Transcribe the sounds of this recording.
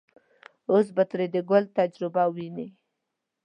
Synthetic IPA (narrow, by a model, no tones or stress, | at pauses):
os̬bat̪ɾed̪əɡʊlt̪ad͡ʒɾɪbawini